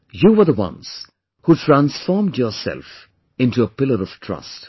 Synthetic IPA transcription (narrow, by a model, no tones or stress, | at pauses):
juwə˞ðəwʌ̰̃nz̥ | hutʰɹæ̃nsfɔɹmdjɔːɹsɛ̰lf | ɪ̃ntuəpɪləɾɔv̥tʰɹ̥ʌ̰st